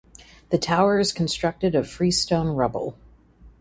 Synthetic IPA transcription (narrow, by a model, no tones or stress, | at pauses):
ðɨtʰaʊə˞ɨz̥kʰn̩stɹ̥ʌk̚tɨɾɨfɹistõʊ̃nɹʌbl̩ˠ